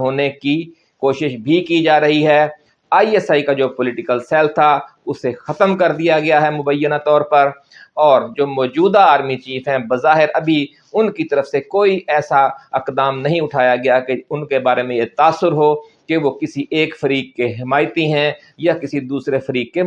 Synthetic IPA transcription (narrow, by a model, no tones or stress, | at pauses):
ɦoːneki | koːʃɪʃbʱikid͡ʒaːɾɐɦiɦɛː | aːiɛsaːikad͡ʒoːpʊlɪʈɪkəlsɛːlt̪ʰa | ʊsexɐt̪əmkɐɾd̪ijaɡɪjaɦɛmʊbəjːənat̪ɔːɾpɐɾ | ɔːɾd͡ʒoːmɔːd͡ʒuːd̪aaːɾmit͡ʃiːfɦɛ̃bɐzaːɦɪɾɐbʱi | ʊnkit̪ɐɾəfsekoːiʔɛːsaɪqd̪aːmnɐɦĩʊʈʰaːjaɡɐjakeʊnkebaːɾemẽjet̪aːsːʊɾɦoː | keʋokɪsiʔeːkfɐɾiːk̚keɦɪmaːɪjt̪iɦɛ̃ | jakɪsid̪uːsɾefɐɾiːkke